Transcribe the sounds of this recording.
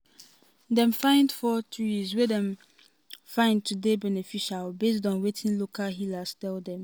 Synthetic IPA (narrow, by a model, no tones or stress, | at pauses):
dɛ̃mfãɪ̃ndfɔtʰiswedɛ̃m | fãɪ̃nd̚tʰudebɛnefiʃalbes̬dɔ̃nwetʰĩnlokʰalɦilastɛldɛ̃m